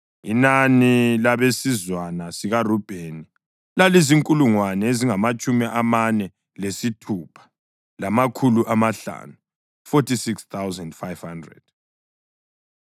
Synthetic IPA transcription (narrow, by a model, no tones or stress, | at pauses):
inanilaβesizwanasiɣarub̥ʱeːni | laliziŋkʼuluŋwanɛeziŋamat͡ʃʼumiʔamanɛ | lesitʰuːpʰḁ | lamakʰuluʔamaɬa̰ːnu | fotʰisikst̪awzandfajv̥handrɛ̰d̥